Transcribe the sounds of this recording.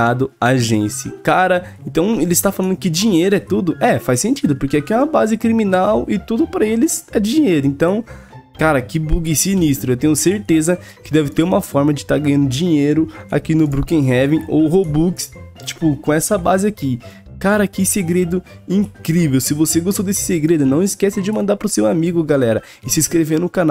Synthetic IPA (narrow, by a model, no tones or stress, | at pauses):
ad̪ʊaʒẽsɪ̰kaɾɐẽt̪ɐ̃w̃elɪst̪afalɐ̃nd̪ʊkɪd͡ʒĩɲejɾʊɛt̪ud̪ʊʔɛfajsẽnt͡ʃid̪ʊpoɾkeakiɛ̃mɐbazɪkɾimĩnawɪt̪ud̪ʊpɾɐelɪzɛd͡ʒɪd͡ʒĩɲejɾʊẽnt̪ɐ̃w̃ | kaɾɐkɪbuɡisinist̪ɾʊewt̪ẽɲʊseɾt̪ezɐ | kɪd̪ɛvɪt̪eɾũmɐfɔɾmɐd͡ʒɪt̪aɾɡɐ̃ɲɐ̃nd̪ʊd͡ʒĩɲejɾʊa̰kinʊbɾukẽɦɛvẽo̰ɦobukst͡ʃi̥pʊkõɛsɐbazɪaki | kaɾɐkɪseɡɾed̪ʊ | ĩkɾivewsɪvoseɡost̪od̪esɪ̥seɡɾed̪ʊnɐ̃w̃ɪskɛsɪd͡ʒɪmɐ̃nd̪aɾpɾʊsewamiɡʊɡalɛɾɐ | ɪsɪskɾevenʊkãnaw